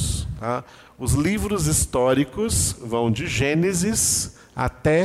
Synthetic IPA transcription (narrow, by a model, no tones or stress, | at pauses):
st̪a | ʊzlivɾʊzist̪ɔɾikʊsvɐ̃w̃d͡ʒɪʒẽnezɪs | a̰t̪ɛ